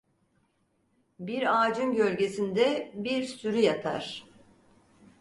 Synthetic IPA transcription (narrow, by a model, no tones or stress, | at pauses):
biɾaːd͡ʒɯmɟølʲɟe̞sind̪ɛbiɾsyɾyjat̪ʰa̰ɾ̥